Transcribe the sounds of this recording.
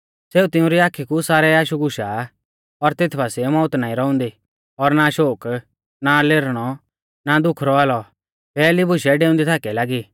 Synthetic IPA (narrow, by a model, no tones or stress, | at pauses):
seːut̪ɪʊ̃ɾiaːkʰikusaːɾɛaːʃuɡʊʃa | ɔɾt̪eːt̪ʰbasimɔːʊt̪naːĩɾɔʊ̃nd̪i | ɔɾnaʃoːk | naleːɾɽ̃ɔ | nad̪ʊkʰɾɔaːlɔ | pɛːlibʊʃɛɖeːʊ̃nd̪it̪ʰaːkɛlaːɡiː